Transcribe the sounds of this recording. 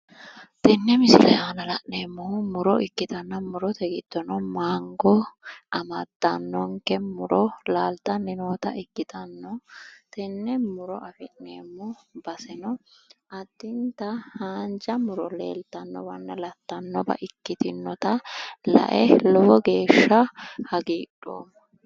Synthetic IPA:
t̪ɛnːɛmɪsɪlɛaːnɐlɐʔneːmːʊhmʊɾɔʔɪkːɪt̪ɐnːɐmʊɾɔt̪ɛɡɪd̪ːɔnɔmaːŋɡɔʔɐmɐd̪ːɐnːɔŋkɛmʊɾɔlaːlt̪ɐnːɪnoːt̪ɐʔɪkːɪt̪ɐnːɔt̪ɛnːɛmʊɾɔʔɐfɛʔneːmːʊbɐsɛnɔɐd̪ːɪnt̪ɐhaːnd͡ʒɐmʊɾɔlḛːlt̪ɐnːɔ̰bɐnːɐlɐt̪ːɐnːɔbɐ̰ʔɪkːɪt̪ɪnːɔt̪ɐlɐ̰ʔɛlɔwɔɡe̞ːʃːɐhɐɡiːᶑo̰ːm

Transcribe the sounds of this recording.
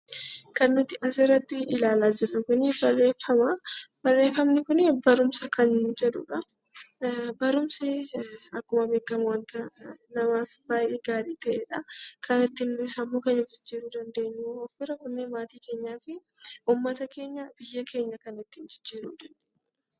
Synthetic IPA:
kɐnːʊt̪ːɪʔɐs̬ɪrːɐt̪ːɪɪlaːlaːd͡ʒɪrːʊkʊnɪbɐrːeːfɐmab̥ɐrːe̞ːfːɐmnɪkʊnɪbɐɾʊmsɐkɐnd͡ʒɛᶑʊ̰ᶑɐ | bɐɾʊmseɐkːʊmɐbeːkːɐmɐwɐnt̪ɐnɐmaːfb̥aːʔeːɡaːɾiːt̪ɐʔɛᶑɐkʰɐnɐt̪ːɪnlʊsɐmːoːkɐnɪd͡ʒɪd͡ʒːiːɾʊd̪ɐnd̪eːɲːɪɔfːɪɾɐkʊnːemaːt̪iːke̞ːɲːaːfɪ | ʔʊmːɐt̪ɐke̞ːɲːɐb̥ɪjːekʰe̞ːɲːɐkɐnɪt̪ːɪnd͡ʒɪd͡ʒːiːɾud̪ɐnde

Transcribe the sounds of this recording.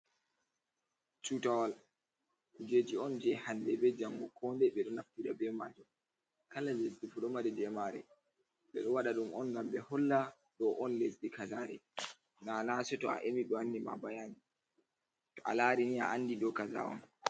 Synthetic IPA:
t͡ʃutawal | d͡ʒed͡ʒiɔnd͡ʒɛhandɛbɛd͡ʒaŋɡɔkʰɔmdɛɓɛɗɔnaftiɗabɛmad͡ʒɔ | kalalezdifuɗɔmaɾɛdɛmaɾɛ | ɓɛɗɔwaɗaɗumɔnɡambɛhɔlːa | ɗɔʔɔnlezdikazaɾɛ | nanasɛtɔa̰ʔemiɗɔanːima̰bajani | tɔʔa̰laːɾinia̰ʔanːdiɗɔkaza̰ɔ̰n

